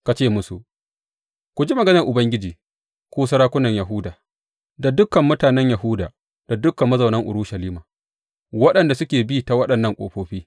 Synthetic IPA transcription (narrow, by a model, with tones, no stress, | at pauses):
ka˨t͡ʃeː˦˨mʊ˦sṵ˨ | kʷʊ˨d͡ʒi˦mɐ˨ɡɐ˦nɐ˨rʔʊ˨bɐ˦ŋɡʲɪ˦d͡ʒiː˨ | kʷuː˦sɐ˦ɾaː˦kʷʊ˦nɐ˨ɲjɐ˨ɦʊ˦daː˨ | da˨dʊ˦kɐ˨mːʊ˦taː˨nɛ˦ɲjɐ˨ɦʊː˦daː˨ | d̥a˨dʊ˦kːɐ˨mːɐ˦zɐ˨nɐ˦ŋʔʊ̰˨ɾʊː˦ʃɐ˨liː˦maː˨ | wɐ˦ɗɐ˨nda˨sʊ˦kʲeː˨bi˦ta˨wɐ˦ɗɐ˨nːɐ˦ŋkʷʼo̰ː˨ɸoː˨˦ɸiː˦